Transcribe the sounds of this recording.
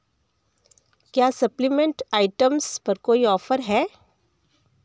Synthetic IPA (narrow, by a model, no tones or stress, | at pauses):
kjaːsɐplɪmẽɳʈaːɪʈəmspɐɾkoːiɔːfəɾɦɛː